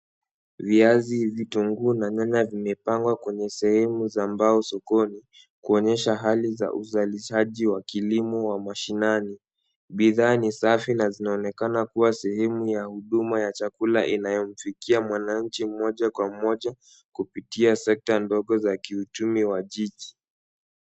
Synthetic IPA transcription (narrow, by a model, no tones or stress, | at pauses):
viazivitɔŋɡuːnaɲaɲavimɛpaŋɡwakwɛɲɛsɛhɛmuzambaɔsɔkɔni | kuɔɲɛʃaɦaliza̰ʔuzaliʃaʄiwakilimɔwamaʃinani | ɓiðaːnisafinazinaɔnɛkanakuwasɛhɛmujahuɗumajat͡ʃakulaʔinajɔm̩fikiamwanaɲ̩t͡ʃim̩mɔʄakwamɔʄa | kupitiasɛk̚tandɔɠɔzakiut͡ʃumiwaʄiʄi